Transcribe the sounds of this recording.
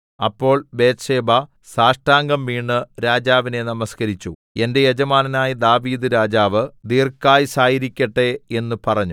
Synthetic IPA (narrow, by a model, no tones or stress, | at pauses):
ɐpːo̞ːɭbe̞ːt̪ʂe̞ːbɐ | saːʂʈaːŋɡɐmʋiːɳːɨɾaːd͡ʑaːʋine̞nɐmɐskɐɾit͡ɕːu | e̞nde̞jed͡ʑɐmaːnɐnaːjid̪aːʋiːd̪ɨɾaːd͡ʑaːʋɨd̪iːrkːaːjisaːjiɾikʲːɐʈːe̞e̞nːupɐrɐɲːu